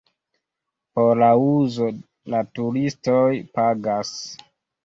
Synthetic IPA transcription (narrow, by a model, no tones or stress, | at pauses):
po̞ɾlauzo̞ | latuɾistojpaɡas